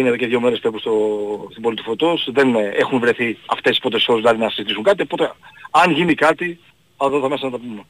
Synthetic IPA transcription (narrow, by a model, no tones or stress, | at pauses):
ineðoceðʝo̞me̞ɾespepust̪ost̪ibo̞lit̪u̥fo̞t̪o̞sðe̞nexunvɾe̞θiɐ̰ft̪esi̥spɾot̪eso̞szlɐðinɐsizit̪isuŋkɐt̪iopo̞t̪eɐnʝinikɐt̪i | ɐðoθɐmesɐnɐt̪ɐpume